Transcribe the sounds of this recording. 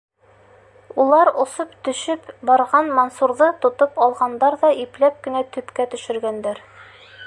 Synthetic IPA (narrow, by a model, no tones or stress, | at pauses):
ulˠɑɾŏsopt̪ɵ̆ʃɘpbɒɾʁɑnmonsuɾðɤt̪ŏt̪ɤpɒlˠʁɑnd̪ɑɾðɑʔiplæp̚kɘ̆næt̪ɵ̆pkæt̪ɵ̆ʃɘ̆ɾɡænd̪æɾ